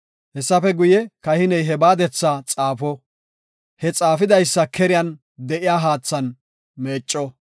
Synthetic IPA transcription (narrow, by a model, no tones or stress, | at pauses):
hɛsːɐfɛɡʊjɛkɐhɪnɛjɦɛbaːd̪ɛt͡sːat͡sʼaːfɔ | hɛt͡sʼaːfɪd̪ɐjsːɐkɛɾɪjɐn | d̪ɛʔɪjaːɦaːt͡sːɐn | meːt͡ʃʼːɔ